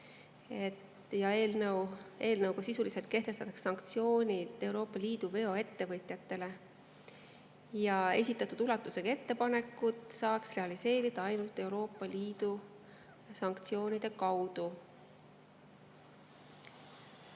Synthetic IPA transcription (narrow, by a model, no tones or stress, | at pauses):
e̞t̪ | jɑeːlnəwe̞ːlnəwkɑsisulise̞lt̪̚ke̞ht̪e̞st̪ɑt̪ːɑkssɑŋkt̪sio̞ːnʲid̪̥e̞uɾo̞ːpˑːɑliːd̪̥uve̞o̞e̞t̪ːe̞vɤt̪ʲˑjɑt̪ːe̞le̞ | jɑe̞̰sʲit̪ːˑɑt̪ːˑud̪ulɑt̪ːˑuse̞ɡ̥ɑe̞t̪ːe̞pɑne̞kːˑut̪ˑsɑːksre̞ɑlise̞ːɾid̪̥ɑɑjnult̪ːˑe̞wɾo̞ːpːˑɑliːd̪u | sɑŋkt̪sijo̞ːnid̪̥e̞kɑwd̪̥u